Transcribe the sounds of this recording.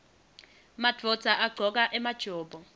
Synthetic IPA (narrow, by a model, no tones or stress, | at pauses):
mad̥rɔd̥z̥ʱaʔaɡ͡ǀʱɔk̬ʼaʔɛmad̥ʒ̥ʱɔːbɔ